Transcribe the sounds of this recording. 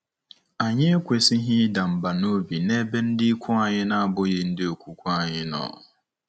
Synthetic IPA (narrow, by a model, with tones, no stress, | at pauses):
a˨ɲɪ˦e˦kʷe˨si˦ɦɪ˦da˨m̩˨ba˨no˦bi˨ne˦be˦n̩˦dɪ˦i˦kʷʰʊ˦a˨ɲɪ˦na˦a˨bʊ˦je˨n̩˦dɪ˦o˨kʷu˨kʷʊ˦a˨ɲɪ˦nɔ̰˨ʊ̰˨